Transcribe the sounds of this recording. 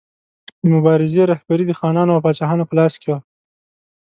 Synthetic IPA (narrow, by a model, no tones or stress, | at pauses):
d̪əmʊbɑɾɪzeɾahbaɾid̪əxɑnɑnoawpɑt͡ʃɑɦɑnopəlɑskewa